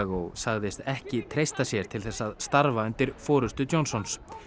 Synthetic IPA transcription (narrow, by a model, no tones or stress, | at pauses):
ɣowsaɣðɪst̪ɛhcɪt̪ʰɾejst̪asjɛɾ̥t̪ʰɪlθɛsːaðst̪aɾvaʏnt̪ɪɾ̥fɔːɾʏst̪ʏt̪jonsɔns